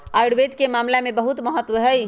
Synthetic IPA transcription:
aɪɽʋed̪kemaːmlamẽbəɦut̪məɦət̪ːʋəɦəj

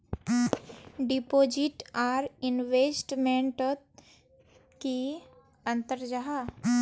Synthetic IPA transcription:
ɖipoːd͡ʒiʈaːɾɪnʋesʈmẽɳʈt̪ | ki | ə̃nt̪əɾd͡ʒaɦa

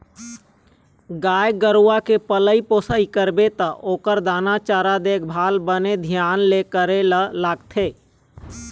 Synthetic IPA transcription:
ɡaːjɡəɾuakepələipoːsaikəɾbet̪əʔoːkəɾd̪aːnat͡ʃaːɾad̪eːkʰbʱaːlbəned̪ʱjaːnlekəɾelaːɡt̪ʰeː

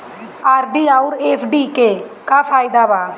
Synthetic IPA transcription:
aːɾɖiːaːʊɾeːpʰɖiːkeːkaːfʰaːɪd̪aːʋaː

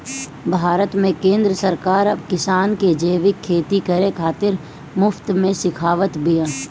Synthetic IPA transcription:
bʱaːɾət̪mẽkẽːnd̪ɾəsəɾkaːɾɐbkɪsaːnked͡ʒeːʋɪkʰːeːt̪ikəɾekʰaːt̪ɪɾ | mʊft̪mẽsɪkʰaːʋət̪bɪjãː

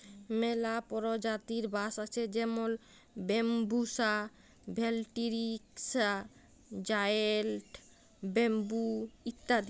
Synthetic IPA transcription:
melapɔɾod͡ʑat̪iɾbaʃat͡ɕʰed͡ʑemol | bembusa | bʱelʈiɾiksa | d͡ʑajelʈ | bembuit̪ːad̪i

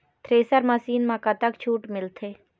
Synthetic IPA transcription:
t̪ʰɾeːsəɾmɐsiːnmakat̪ɐkt͡ʃʰuːʈmɪlt̪ʰeː

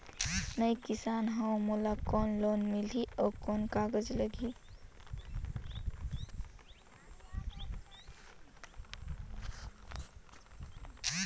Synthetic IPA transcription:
nəjkisanɦə̃mulakɔnlonmiliʔɔkɔnkaɡəd͡ʒləɡʱi

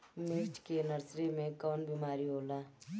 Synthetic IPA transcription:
mɪkt͡ʃkenəɾsɾemẽkɔːnbimaːɾiɦoːlaː

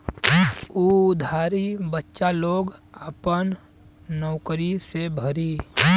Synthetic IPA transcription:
ud̪ʱaːɾibətːʃaloːɡapən | nɔːkɾisebʱəɾiː

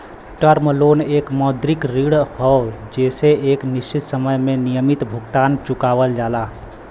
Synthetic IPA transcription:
ʈəɾmlonekmɔd̪ɾikɾiɽhɔd͡ʒeseeknist͡ʃit̪səməjmenijəmit̪bʱuɡt̪ant͡ʃukaβəld͡ʒala

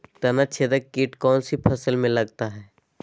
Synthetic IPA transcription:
t̪ɐnət͡ʃʰed̪əkːiːʈkɔːnsipʰɐsəlmẽlɐɡ̚t̪aɦɛː

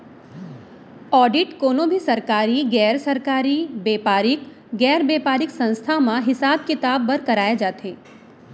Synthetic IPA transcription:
ɔːɖɪʈkoːnõbʱisɐɾkaːɾiɡɛːɾsɐɾkaːɾibeːpaːɾɪk | ɡɛːɾbeːpaːɾɪksɐ̃nst̪ʰamãɦɪsaːbkɪt̪aːbːɐɾkɐɾaːjed͡ʒaːt̪ʰeː

